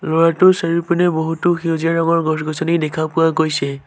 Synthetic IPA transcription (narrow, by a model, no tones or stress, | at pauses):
lɔɹatʊsaɹiɹpunɛboɦutʊxiuzianɔɡɔɹɡɔsɡɔsɔnidɛkʰapʊakojsɛ